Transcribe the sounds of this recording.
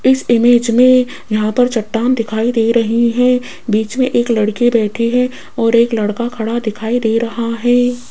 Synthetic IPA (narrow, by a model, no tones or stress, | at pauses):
ɪsɪmeːd͡ʒmẽ | jɐɦãpɐɾt͡ʃɐʈːaːmd̪ɪkʰaːid̪eːɾɐɦiɦɛ̃ː | biːt͡ʃmẽʔeːklɐɽkibɛːʈʰiɦɛ | ɔːɾeːklɐɽkakʰɐɽad̪ɪkʰaːid̪eːɾɐɦaɦɛː